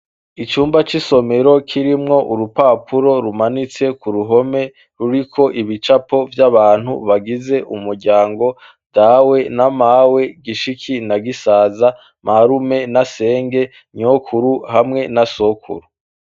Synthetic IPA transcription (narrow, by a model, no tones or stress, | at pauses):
it͡ʃuːmbat͡ʃiso̞me̞ɾo̞kʰiɾimŋo̞ʔuɾupapʰuɾo̞ɾumanit͡se̞kuɾuɦo̞me̞ | ɾuɾikʰo̞ʔiβit͡ʃapo̞vjaβaːn̥hṵβaɡize̞ʔumuɾɟaːŋɡo̞ | d̥awe̞namawe̞ɡiʃikʰinaɡisaːza | maɾume̞nase̞ːŋɡe̞ | ɲokʰuɾuhamŋe̞nasokʰṵɾu